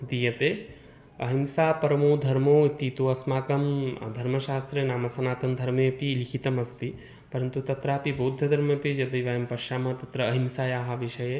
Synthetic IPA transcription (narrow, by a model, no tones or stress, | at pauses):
d̪ijɐt̪eː | ɐ̰ɦimsaːpɐɾɐmoːd̪ʱɐɾmoːit̪it̪oɐsmaːkɐmd̪ʱɐɾmɐʃaːst̪ɾeːnaːmɐsɐnaːt̪ɐmd̪ʱɐɾmɐpilikʰit̪ɐmɐst̪i | pɐɾɐnt̪ut̪ɐt̪ɾaːpiboːd̪ʱːɐd̪ʱɐɾmɐpid͡ʒɐd̪ɐjʋaːjɐmpɐʃaːmɐt̪ɐt̪ɾɐːɦimsaːjaːɦaʋiʃɐje